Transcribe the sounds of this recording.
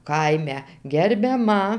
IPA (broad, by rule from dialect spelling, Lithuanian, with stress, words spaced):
ˈkɐɪmʲɛ ɡʲɛrʲbʲɛˈmɐ